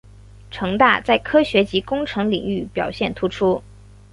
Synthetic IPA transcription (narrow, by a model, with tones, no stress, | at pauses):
ʈ͡ʂʰɤ˧˥ŋt̪a̰˥˧t͡sa˥˩ɪkʰɤ˥ɕɥɛ˧˥t͡ɕi˧˥kʊ˥ŋʈ͡ʂʰɤ˧˥ŋlḭ˨˩ŋy˥˩pjɑ˨˩ʊɕjɛ˥˩nt̪ʰu˧˥ʈ͡ʂʰu˥